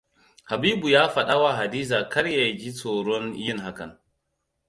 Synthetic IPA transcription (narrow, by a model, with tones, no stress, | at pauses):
ha˨biː˦bu˨jaː˦ɸɐ˨ɗa˦wa˨ɦa˨diː˦zaː˨kʰɐ˦ɾja˨d͡ʒi˦t͡soː˨ɽɔ˦njɪ˦˨ŋha˦kɐ˨n